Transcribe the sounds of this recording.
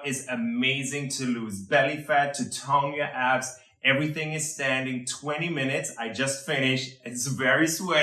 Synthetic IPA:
ɪzɨmmeɪzɪ̃ŋtʰɨluzbɛlˠifætʰɨtʰõʊ̃njə˞ʔæps | ʔɛvɹiθɪ̃ŋɨz̥stæ̃ndɪ̃ŋtʰw̥ɛ̃ɾ̃imɪ̃nɨtsaɪd͡ʒʌstfɪ̃nɪʃɨtsvɛɹiswɛ

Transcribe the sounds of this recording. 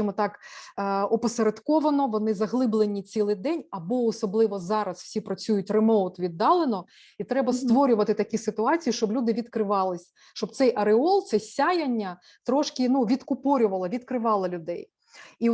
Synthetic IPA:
ɪmɔt̪ɑkː | ɔpɔseɾed̪kɔʋɐnɔʋɔnɪzɐɦlˠɪblˠenʲit͡sʲilˠɪjd̪ɛnʲɐbɔɔsɔblˠɪʋɔzɑɾɐsw̥sʲipɾɐt͡sʲujʊtʲremɔwt̪ʋʲid̪ːɑlˠenɔ | it̪ɾɛbɐst̪ʋɔɾʲʊʋɐt̪ɪt̪ɐkʲisɪt̪ʊɑt͡sʲijiʃt͡ʃɔblʲud̪ɪʋʲid̪kɾɪʋɑlˠɪsʲ | ʃt͡ʃɔb̚t̪sɛjʔɐɾeɔlˠt̪sɛsʲajɐnʲːɐ | t̪ɾɔʃkɪnuʋʲid̪kʊpɔɾʲʊʋɐlˠɐʋʲid̪kɾɪʋɑlˠɪlʲʊd̪ɛj | i

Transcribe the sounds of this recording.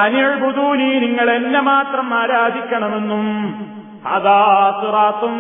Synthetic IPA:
ɐnijɐɻbud̪uːniːniŋːɐɭe̞nːemaːt̪rɐmaːɾaːd̪ʱikʲːɐɳɐme̞nːum | ɐ̰ðaːsuraːt̪ːum

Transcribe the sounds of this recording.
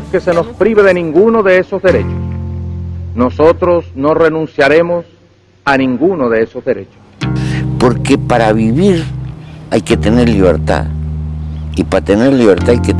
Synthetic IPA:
ke̞se̞no̞spɾiβeðe̞nĩŋɡunoðe̞e̞so̞zðe̞ɾe̞t͡ʃos | no̞so̞t̪ɾo̞sno̞re̞nũnsjaɾe̞mo̞s | anĩŋɡunoðe̞eso̞zðe̞ɾe̞t͡ʃo̥spoɾke̞paɾaβiβiɾ | ajke̞t̪e̞ne̞ɾliβ̞ḛɾt̪a̰ | ipaat̪eneɾliβeɾt̪aajke

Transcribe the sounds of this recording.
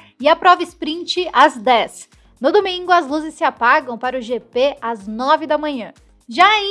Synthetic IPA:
ɪɐpɾɔvɐɪspɾĩnt͡ʃɪazd̪ɛs | nʊd̪omĩŋɡʊɐzluzɪsːɪapaɡɐ̃w̃paɾʊʒepeaznɔvɪd̪ɐmɐ̃ɲɐ̃ | ʒai

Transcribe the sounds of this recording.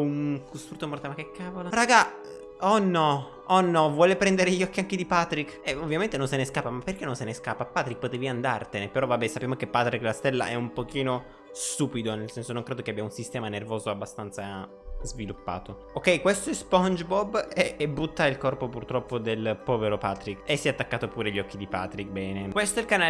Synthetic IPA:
unkust̪ɾut̪ːomoɾrt̪amakːɛkʰːaːvolaraːɡa | ɔnːɔ | ɔnːɔvwɔːlepɾɛnd̪eɾeʎːɔkːiaŋkid̪ipat̪ɾikːɛovːjament̪enõnseneskapːamapːerkenːõnseneskapːapːaːt̪ɾik̚ːpːot̪ɛːviand̪a̰rt̪enepeɾɔvabːɛsapːjamokepːat̪ɾikːlast̪ɛlːa̰ʔɛumpok̟iːno | st̪uːpid̪onelsɛnsonoŋkɾeːd̪okeabːjaunsist̪ɛːmanervoːzoabːast̪ant̪sa | zvilupːa̰ːt̪o | okːɛjkwest̪oɛspɔnd͡ʒbɔbeebːut̪ːailkɔrpopurt̪ɾɔpːod̪elpɔːveɾopaːt̪ɾikːesːɛat̪ːakːaːt̪opuːɾeʎːɔk̟ːid̪ipa̰ːt̪ɾik̚bɛːnekwest̪oɛlkana

